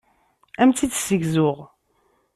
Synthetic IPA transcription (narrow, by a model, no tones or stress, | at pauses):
æmt͡s̪ːid̪səʝzʊʁ